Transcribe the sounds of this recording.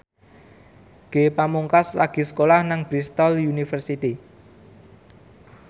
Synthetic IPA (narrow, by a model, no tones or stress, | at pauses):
ɡ̥epamuŋkaslaɡ̥i̤sə̥kolahnaŋb̥ɾist̪ɔljunifərsit̪i